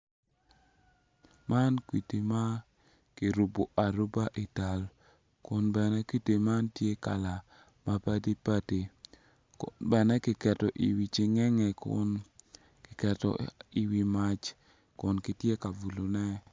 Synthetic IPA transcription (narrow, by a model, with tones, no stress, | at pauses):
ma˦nkwi˨ti˨ma˦ | ki˨ɾu˨bo˨ʔa˨ɾu˦ba˦ʔi˨ta˨l | kʊ˦nbɛ˨nɛ˦kwi˦te˨ma˦ntje˦ka̰˨la˨ | ma˦pa˦di˦pa˦te˨ | kʊnbɛ˨nɛ˦kɪ˨kɛ˨tɔ˨ʔi˨wi˨t͡ʃɪ˦ŋɛ˦ŋɛ˨kʊ̰n | kɪ˨kɛ˨tɔ̰˨i˨wi˦ma˦t͡ʃ | kʊ˨nkɪ˨tje˦ka˨vu˨lo˨nɛ˦